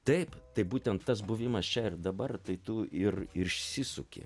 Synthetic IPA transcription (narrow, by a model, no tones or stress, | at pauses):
t̪ɐɪpt̪ɐɪbuːt̪ʲɛnt̪t̪ːɐs̬bʊʋʲɪmɐst͡ʃʲɛɪrd̪ɐbɐrt̪ɐɪt̪ʊʔɪrɪʃʲsʲɪsʊkʲɪ̰